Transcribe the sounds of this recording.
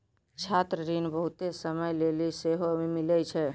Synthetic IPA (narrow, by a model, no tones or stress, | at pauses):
t͡ʃʰat̪ɾəɾinbəɦut̪esəməjleliseɦoimilɛt͡ʃʰɛ